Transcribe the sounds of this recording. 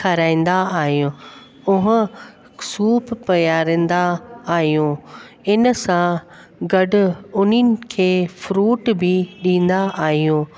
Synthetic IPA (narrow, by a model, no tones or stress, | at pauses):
kʰɐɾaːĩnd̪aaːɦijũː | ʊɦʊ | suːppɐjaːɾə̃n̆d̪aːɦijũː | ɪnə̆sã | ɡɐɖʊ̆ʊnɪnɪ̆kʰeːfɾuːʈbɪɗĩːn̆d̪aʔaːɦijũː